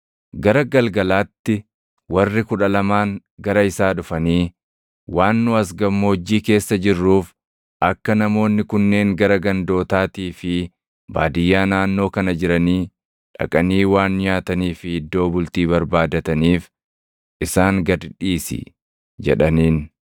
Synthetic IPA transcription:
ɡɐɾɐɡɐlɡɐlaːt̪ːɪ | wɐrːɪkʊᶑɐlɐmaːŋ | ɡɐɾɐɪsaːᶑʊfɐniː | waːnːʊɐs̬ɡɐmːoːd͡ʒːiːke̞ːsːɐd͡ʒɪrːuːf | ɐkːɐnɐmo̞ːnːɪkʊnːe̞ːŋɡɐɾɐɡɐnd̪o̞ːt̪aːt̪iːfɪ | ba̰ːd̪ɪjːaːnaːnːo̞ːkɐnɐd͡ʒɪɾɐniː | ᶑɐ̰kʼɐniːwaːnɲaːt̪ɐniːfɪhɪd̪ːo̞ːbʊlt̪iːβɐɾbaːd̪ɐt̪ɐniːf | ʔɪsaːŋɡɐd̪ᶑiːsɪ̰ | d͡ʒɛ̰ᶑɐniːn

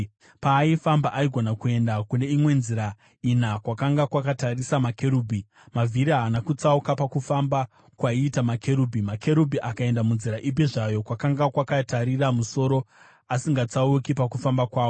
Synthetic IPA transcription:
paːifambaʔaiɡʱonakue̞ndakune̞imwe̞nziɾa | inakwakaŋɡakwakatarisamake̞ɾuːbʱi | mavʱiɾianakut͡saukapakufamba | kwaiːtamakʰe̞ɾuːbʱimakʰe̞ɾubʱiʔakae̞ndamunziɾaʔibp̬iʐajo̞kwakaŋɡakwakataɾiramuso̞ɾo̞ | asiŋɡat͡saukipakufambakwaːwo

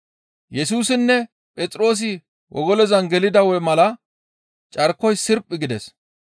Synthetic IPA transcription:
jɛsuːsɪnːɛ | pʼɛt͡sʼɾo̞ːs̬ɪ | wʔɔ̰ɡɔlɛzɐnɡɛlɪd̪ɐwɛmɐlɐ | t͡ʃʼɐɾkːɔjsɪɾpʼːɪɡɪd̪ɛs

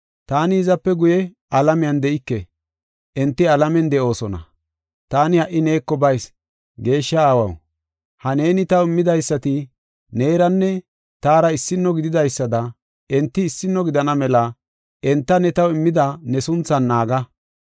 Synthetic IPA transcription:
t̪aːnɪɪzɐpːɛɡʊjɛ | ɐlɐmɪjɐnd̪ɛʔɪkːɛ | ʔɛnt̪ːɪɐlɐmɛnd̪ɛʔo̞ːsɔnɐ̰ | t̪aːnɪhɐʔːɪne̞ːkːɔbɐjs | ɡe̞ːʃːɐaːwɐ̰w | hɐne̞ːnɪt̪ɐwɪmːɪd̪ɐjsːɐt̪ɪ | neːɾɐnːɛ | t̪aːɾɐɪsːɪnːɔɡɪd̪ɪd̪ɐjsːɐd̪ɐ | ɛnt̪ːɪːsːɪnːɔɡɪd̪ɐnɐmɛlɐ | ɛnt̪ːɐnɛt̪ɐwɪmːɪd̪ɐnɛsʊnt͡sːɐnːaːɡɐ

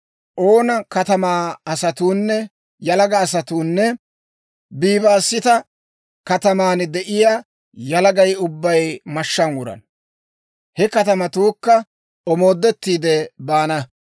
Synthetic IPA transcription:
ʔo̞ːnɐkɐt̪ɐmaːɐsɐt̪uːnːɛ | jɐlɐɡɐːsɐt̪uːnːɛ | biːbaːsːɪt̪ɐ | kɐt̪ɐmaːnd̪ɛʔɪjaː | jɐlɐɡɐjʊbːɐjmɐʃːɐnwʊɾɐ̰n | hɛkɐt̪ɐmɐt̪uːkːɐ | ɔmo̞ːd̪ːɛt̪ːiːd̪ɛbaːnɐ

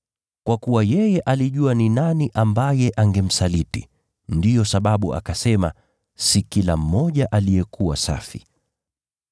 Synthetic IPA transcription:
kwakuwajɛjɛʔaliʄuaninaniʔambajɛʔaŋɡɛm̩saliti | ndijɔsaɓaɓua̰kasɛma | sikilam̩ːɔʄaʔalijɛkuwasa̰fi

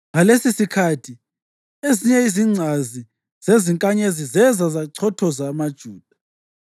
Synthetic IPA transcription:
ŋalesisikʰatʰi | eziɲɛiziŋ͡ǀʱazi | z̥eziŋkʼaɲezizɛzazaǀʰɔtʰɔzamad̥ʒ̥ʱuːd̥ʱa

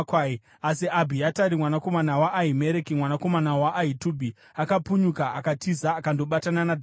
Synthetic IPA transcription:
kwai | asiʔabʱiataɾimwanako̞manawaʔːɦime̞ɾekimwanako̞manawaʔːitubʱi | akapuɲukaakatizaːkandoɓatananadʱ

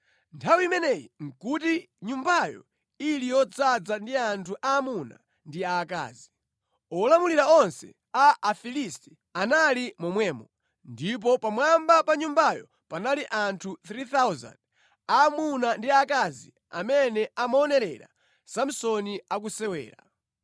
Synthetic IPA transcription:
ntʰawiimɛnɛjḭŋ̩kuti | ɲumbajɔ̰ | ilijɔd͡zad͡zandiantʰuʔaːmuna̰ | ndiaːka̰ːzi | ɔlamuliɾaɔnsɛ̰ | aːfilisti̥ | analimɔmwɛmɔ | ndip̬ɔpamwambapaɲumbajɔ | panaliʔantʰut̪ɾiθawza̰nd | aːmunandiakazḭ | a̰mɛnɛʔamaɔnɛɾɛ̰ɾa̰ | sam̩sɔniak̬usɛwɛ̰ːɾa̰

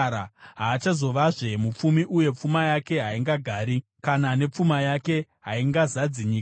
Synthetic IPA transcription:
aɦaːt͡ʃazo̞ʋaʐe̞mup͡fumiʔuje̞p͡fumajake̞ɦaiŋɡaɡʱaːɾi | kanane̞p͡fumajake̞ɦaiŋɡazad͡ziɲiːk

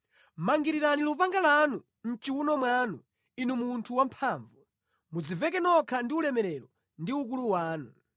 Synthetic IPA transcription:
maŋɡiɾiɾanilupaŋɡalanu | n̩t͡ʃiwunɔmwanu | inumuntʰuwampʰaːɱvu | mud͡zivɛk̬ɛnɔkʰandiulɛmɛɾɛɾɔ | ndiuk̬uluwaːnu

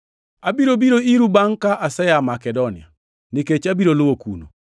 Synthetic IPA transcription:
abiɾobiɾoiɾubaŋkaʔasɛjamakɛdonɪa̰ | niket͡ʃabiɾolʊwokṵno̰

